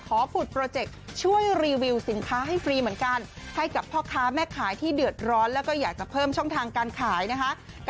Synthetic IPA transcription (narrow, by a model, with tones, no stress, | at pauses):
kʰɔː˩˦pʰu˨˩t̪̚pɾoː˧t͡ɕe˨˩k̚t͡ɕʰu˥˩əjɾiː˧wi˧wsi˩˦nkʰaː˦˥ɦa˥˩jfɾiː˧mɯ˩˦ənka˧nha˥˩jka˨˩pʰːɔː˥˩kʰaː˦˥mɛː˥˩kʰaː˩˦jt̪ʰiː˥˩dɯ˨˩ət̪̚ɾɔː˦˥nlɛː˦˥wkɔː˥˩jaː˨˩k̚t͡ɕa˨˩pʰɤː˥˩mt͡ɕʰɔ˥˩ŋt̪ʰaː˧ŋkaː˧nkʰaː˩˦jna˦˥kʰa˦˥ʔ | k